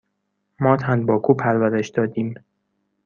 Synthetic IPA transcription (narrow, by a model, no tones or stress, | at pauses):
mɒːt̪ʰænd̪̚bɒːkʰuːpʰæɾvæɾeʃd̪̥ɒːd̪iːm